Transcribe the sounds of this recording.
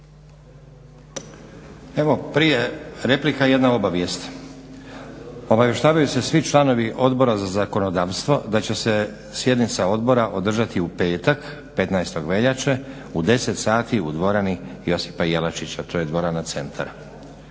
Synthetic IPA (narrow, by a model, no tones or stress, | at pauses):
e̞ʋo̞pɾije̞ɾe̞plikaje̞d̪nao̞baʋje̞st̪ | o̞baʋje̞ʃt̪aːʋajuse̞sʋit͡ʃlano̞ʋiʔo̞d̪bo̞ɾazazako̞no̞d̪aːʋst̪ʋo̞d̪at͡ɕe̞se̞ | sje̞d̪nit̪sao̞d̪bo̞ɾaʔo̞d̪r̩ʒat̪iupe̞ːt̪ak | pe̞t̪najst̪o̞ɡʋe̞ʎat͡ʃe | ud̪e̞se̞t̪saːt̪iud̪ʋo̞ɾanijo̞si̥pajelat͡ʃit͡ɕat̪ʰo̞jed̪ʋo̞ɾanat̪se̞nt̪ʰa̰ɾ